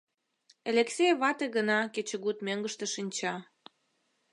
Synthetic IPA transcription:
elʲeksʲejβɑt̪eɣənɑket͡ɕə̆ɣut̪møŋɡəʃt̪ĕʃinʲt͡ɕɑ

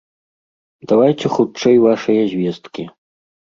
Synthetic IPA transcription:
d̪avajt̪ʲɛxut͡ʂɛjvaʂɐjɐzʲvʲɛst̪kʲi

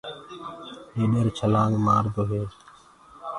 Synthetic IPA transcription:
eːɗeːɾt͡ʃʰəlãːŋɡmaːɾd̪oːɦeː

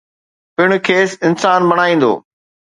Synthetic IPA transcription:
pɪɽ̃ʊ̆kʰeːsɪnsaːnbɐɽ̃aːĩːn̆d̪o̰ː

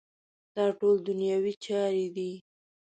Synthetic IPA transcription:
d̪̥ɑʈold̪ʊnjɑwit͡ʃɑɾed̪i

